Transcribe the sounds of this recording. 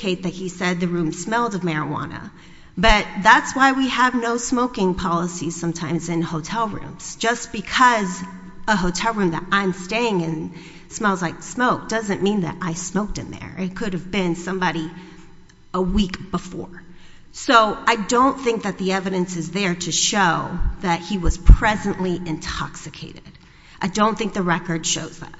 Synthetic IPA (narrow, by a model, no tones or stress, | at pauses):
kʰeɪt̪̚ðɨt̚hisɛd̪̚ðɨɹʉ̃msmɛlˠdʌvmɛɹəwɑ̰̃nə̰ | b̥ʌt̪̚ðætswaɪwiəvnoʊsmoʊkɪ̃ŋpʰɑlˠəsiz̥sʌ̃mtʰãɪ̃mzɨ̃nhoʊtʰɛlˠɹʉ̰̃mz̥d̥ʒ̥ʌsb̥ɨkʰʌz | əɦoʊtʰɛlˠɹʉ̃mðə̰ɾãɪ̃msteɪɪ̃ŋɨ̃n | smaɪlˠzlaɪksmoʊk̚d̥ʌzɨ̃nmĩnðɨ̰ɾʔaɪsmoʊk̚tɨ̃nðə̰˞ɪ̰t̚kʰʊɾɨvbɪ̃nsʌ̃mbɑɾi | əwikb̥əfɔ̰ɹ | soʊaɪdõʊ̃nθɪ̃ŋk̚ðɨt̪̚ðiɛvɨɾɨ̃nsɨzðə˞ɾɨʃoʊðɨt̚hiwʌz̥pʰɹ̥ɛzɨ̃nʔliʔɨ̃ntʰɑ̰ksɨkʰeɪɾɪd̥ | ʔaɪdõʊ̃nθɪ̃ŋk̚ðɨɹɛkə˞d̥ʃo̰ʊzðæ̰t̚